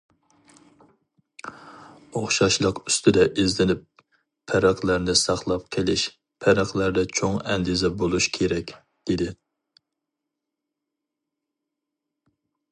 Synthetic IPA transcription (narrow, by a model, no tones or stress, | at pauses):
oχʃɑʃlˠəqy̥st̪ʰɪd̪ɛʔezlɪnɪp̚ːʰ | ɛɾæqlæɾnɪsɑχlˠɑp̚qʰelɪʃ | pʰɛɾæqlæɾd̪ɛt͡ʃʰoŋɛnd̪izɛbolˠuʃkʲʰeɾɛkʲ | d̪̥ɪd̪ɪ